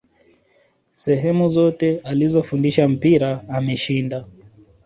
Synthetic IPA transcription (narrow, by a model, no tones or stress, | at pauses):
sɛɦɛmuzɔtɛalizɔfundiʃam̩piɾaːmɛʃinda